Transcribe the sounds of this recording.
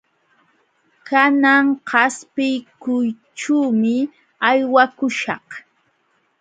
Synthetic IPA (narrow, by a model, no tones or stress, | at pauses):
kanaŋhɑspɪjkʊj | ʈ͡ʂuːmɪ | ajwakʊʃɑh